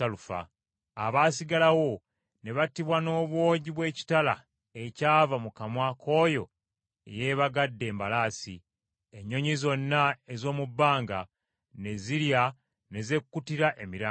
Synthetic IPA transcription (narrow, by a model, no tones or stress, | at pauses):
alufa̰ | aβaːsiɡalawo̞ | ne̞βatiβwano̞ːβwo̞ːɟiβwe̞ːci̥tala̰ | e̞caːvamukamwakʰo̞ːjo̞ | ḛje̞ːβaɡadːe̞ːmbalaːsi | eɲːo̞ɲizo̞nːae̞zo̞ːmubːaːŋɡa | ne̞ziɾja | ne̞ze̞kkːutiɾaʔe̞miɾaː